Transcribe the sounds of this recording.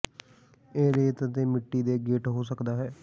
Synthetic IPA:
eːɾeːt̪ət̪eːmɪʈːiːd̪eːɡeːʈɦoːsəkd̪aːɦɛː

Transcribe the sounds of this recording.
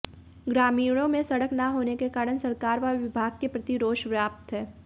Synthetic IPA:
ɡɾaːmiːɽ̃õmẽsɐɽəknaɦoːnekekaːɾəɳsɐɾkaːɾʋaʋɪbʱaːɡ̚kepɾɐt̪iɾoːʃʋjaːp̚t̪ɦɛː

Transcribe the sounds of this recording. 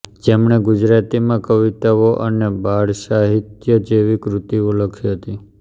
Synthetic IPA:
d͡ʒemɳ̃eɡud͡ʒɾat̪imãkəʋit̪aʋoʔə̰nebaɭʃaɦit̪jəd͡ʒeʋikɾut̪ioləkʰiɦət̪i

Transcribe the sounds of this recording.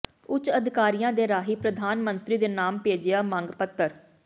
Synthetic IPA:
ʊt͡ʃəd̪ʱɪkaːɾijãːd̪eːɾaːɦiːpɾəd̪ʱaːnmənt̪ɾiːd̪eːnaːmpeːd͡ʒɪjaːmə̃ŋɡpət̪ːəɾ

